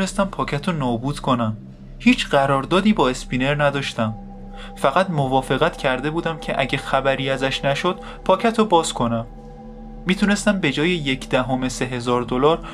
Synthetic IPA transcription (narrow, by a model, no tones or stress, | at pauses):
est̪æmpʰɒːcʰæt̪ʰonɒːbuːd̪̥kʰo̞næm | hiːt͡ʃʰɢæɾɒːɾd̪ɒːd̪iːbɒːe̞spine̞ɾnæd̪ɒːʃt̪æm | fæɣæd̪movɒːfe̞ɣæt̪cʰæɾd̪e̞buːd̪æmcʰe̞ʔæ̰ɟexæbæɾiːæzæʃnæʃo̞d̪̥̚ | pʰɒːcʰæt̪ʰobɒːzkʰo̞næmː | iːt̪ʰune̞st̪æmbe̞d͡ʒɒːjeje̞cʰd̪æɦome̞se̞ɦe̞zɒːɾd̪o̞lɒːɾ